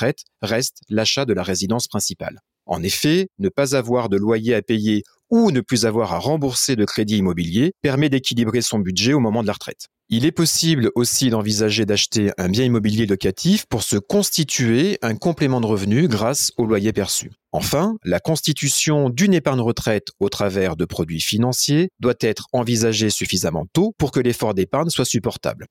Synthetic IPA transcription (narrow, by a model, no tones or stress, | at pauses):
χɛt̪ | ʁɛst̪laʃad̪əlaʁezid̪ɑ̃spχɛ̃sipa̰l | ɑ̰̃nefɛnəpazavwaʁd̪əlwajeapeje | unəplyzavwaʁaʁɑ̃buʁsed̪əkχed̪iːmɔbiljepɛʁmɛd̪ekʲilibʁesɔ̃bydʒɛomɔmɑ̃d̪əlaʁət̪χɛ̰t̪ | ilɛpɔsiblosid̪ɑ̃vizaʒed̪aʃt̪eʔɛ̃bjɛ̃imɔbiljelɔkat̪ʰifpuʁsəkɔ̃st̪it̪yeɛ̃kɔ̃plemɑ̃d̪əʁəvnyɡʁasolwajepɛʁsy̰ | ɑ̃fɛ̃lakɔ̃st̪it̪ysjɔ̃d̪ynepaʁɲʁət̪χɛt̪ot̪χavɛʁd̪əpχɔd̪ɥifinɑ̃sjed̪wat̪ɛt̪χɑ̃vizaʒesyfizamɑ̰̃t̪opuʁkəlefɔʁd̪epaʁɲswasypɔʁt̪a̰bl